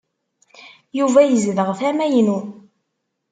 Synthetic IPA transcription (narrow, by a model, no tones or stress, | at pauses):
juvæjəzðəʁθæmæjnu